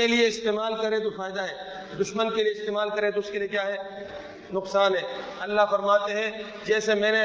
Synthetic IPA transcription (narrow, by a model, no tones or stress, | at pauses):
elieɪst̪eːmaːlkɐɾẽt̪ofaːɪd̪aɦɛː | d̪ʊʃmənkelieɪst̪eːmaːlkɐɾẽt̪oʊskeliekjaːɦɛː | nʊqsaːnɦɛːɐlːaɦfɐɾmaːt̪eɦɛ̃ | d͡ʒɛːsemɛ̃ːne